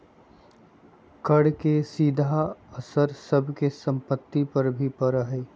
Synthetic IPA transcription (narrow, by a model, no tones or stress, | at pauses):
kəɽkesiːd̪ʱaəsəɾsəbʱkesə̃mpət̪ːipəɾbʱipəɾəɦeː